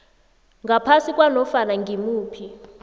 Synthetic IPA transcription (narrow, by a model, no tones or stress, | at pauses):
ŋɡapʰasikʼwanɔfanaŋɡʱimuːpʰi